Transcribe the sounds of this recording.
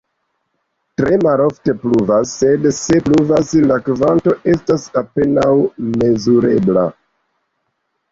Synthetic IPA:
tɾe̞malo̞fte̞pluvasːe̞dse̞pluvaslakvanto̞ʔe̞stasape̞nawme̞zuɾe̞bla̰

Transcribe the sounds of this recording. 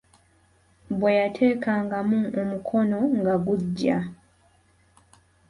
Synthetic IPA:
bwejatʰe̞ːkaːŋɡamuomukʰo̞no̞ŋɡaɡuɟːa

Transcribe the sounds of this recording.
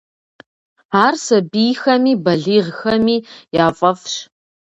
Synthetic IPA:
aːrsɐbijxɐmiːbɐɮiːʁxɐmiːjaːfʼɐfɕ

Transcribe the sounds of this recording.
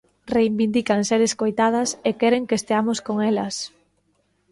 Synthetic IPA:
reimbind̪ikaŋseɾeskojt̪að̞ɐsekɛɾeŋkest̪eamoskoŋɛlɐs

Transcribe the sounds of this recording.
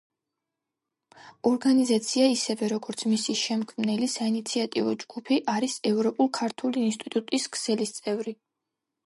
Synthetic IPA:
ɔɾɡanizat̪sʰiaisɛvɛɾɔɡɔɾt̪sʰmisiʃɛmkʰmnɛlisainit̪sʰiat̪ʼivɔd͡ʒɡ̥upʰiʔaɾisɛvɾɔpʼulˠkʰaɾt̪ʰuliːnst̪ʼit̪ʼut̪ʼiskʰsɛlist̪sʼɛvɾi

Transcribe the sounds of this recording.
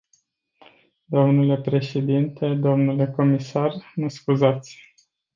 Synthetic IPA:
d̪o̞mnule̞pɾe̞ʃe̞d̪int̪e̞d̪o̞mnule̞ko̞misarməskuzat̪sʲ

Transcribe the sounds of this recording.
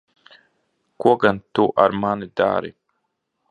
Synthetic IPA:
kʷoɡantoʔa̰ɾmaːnɨda̰ːɾḭ

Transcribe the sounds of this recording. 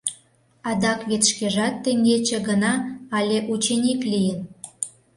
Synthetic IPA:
ɑd̪ɑkβet̪ʃkeʒɑt̪ːeŋɡet͡ɕĕɡənɑːlʲeʔut͡ɕenʲiklijən

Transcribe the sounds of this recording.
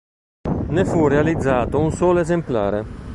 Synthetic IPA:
nefurealid̪zːaːt̪ounsɔːlezempla̰ːɾe

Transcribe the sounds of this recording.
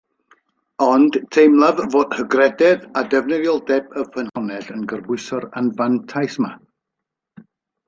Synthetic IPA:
ɔnd̥tʰejmlˠavvoːd̥həɡrɛdɛðadɛvnəðjɔlˠdɛbəfənhɔnɛɬənɡərbwʊɨsɔɾanvantʰajsma

